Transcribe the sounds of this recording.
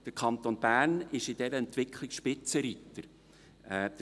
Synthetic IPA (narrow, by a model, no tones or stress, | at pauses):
d̥əɾkʰɑnt̪onbæːrnɪʃɪd̥ɛɾəɛnt̪ʋɪkʰlɪkʃpɪt͡səɾit̪ːəɾ | ɛd̥̪ə